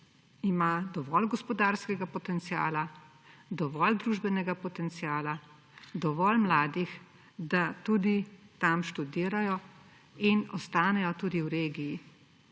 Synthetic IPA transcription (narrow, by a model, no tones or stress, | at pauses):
imad̪ɔʋɔlɡɔspɔd̪aːɾskɛɡapɔt̪ɛnt̪sija̰ːla | d̪ɔʋɔld̪ɾuːʒbɛnɛɡapɔt̪ɛnt̪sijaːla | d̪ɔʋɔlmlaːd̪ix | d̪at̪ud̪it̪amʃt̪ud̪iːɾajɔ | inɔst̪aːnɛjɔt̪uːd̪iwɾeːɡiji